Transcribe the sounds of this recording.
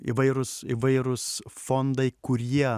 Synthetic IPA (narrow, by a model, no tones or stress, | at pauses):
ḭʋɐɪɾʊsiʋɐɪɾʊsfond̪ɐɪkʊɾʲiɛ